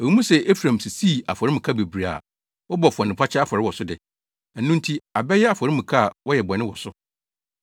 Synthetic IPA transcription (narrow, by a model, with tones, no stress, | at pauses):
e˨wu˦mũ˦sɛ˨ʔe˦fɾã˨m˨si˨siː˦˨a˨fɔ˨ɾɪ˦mɪ̃˨kʰa˦be˨bɾi˨a̰˨ | wɔ˦bɔ˨fʊ˨ɔ̃˨n˨ɪ̃˨pʰa˦t͡ɕʰɛ˦a˦fɔ˨ɾɪ˦wɔ˨sʊ˦dɪ˨ | nũ˦n˦tʰi˦a˨bɛ˦jɛ˦a˨fɔ˨ɾɪ˦mũ˨kʰa˦˨wɔ˦jɛ˨bɔ˨nɪ̃˦wɔ˨sʊ˦